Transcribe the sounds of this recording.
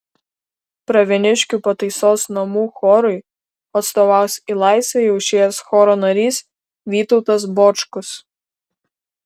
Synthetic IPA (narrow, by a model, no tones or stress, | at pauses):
pɾɐʋʲɛnʲɪʃʲkʲupɐt̪ɐɪsoːsnɐmuːxɔɾʊɪ | ɐt̪st̪oʋɑˑʊsʲilˠɑˑɪsʲɛjɛʊʃʲeːjɛsxɔːɾoːnɐɾʲiːs | ʋʲiːt̪ɔʊt̪ɐs̬bɔːt͡ʃkʊs